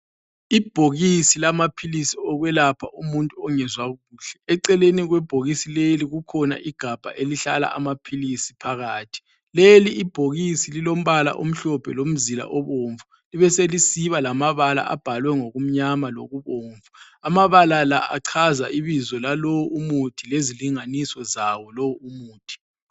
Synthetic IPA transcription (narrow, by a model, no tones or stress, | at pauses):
ib̥ʱoɣisilamapʰilisiɔɣwɛlapʰaumuntʼuɔŋɛzwaɣuːɬɛɛǀɛleniɣwɛb̥ʱoɣisileliɣukʰɔna̰ʔiɡ̥ʱab̥ʱa̰ʔeliɬala̰ʔa̰mapʰilisi̥pʰaɣaːtʰi̥ | leliʔːb̥ʱoɣisililom̩βala̰ʔom̩ɬɔpʰɛ̰lom̩zila̰ʔɔβoːɱvu | liβɛselisiβalamaβala̰ʔa̰b̥ʱalwɛŋoɣum̩ɲamalo̰ɣuβoːɱvu | amaβalalaʔaǀʰazaʔiβizɔlalowumutʰileziliŋanisɔzawɔlɔwuumuːtʰi̥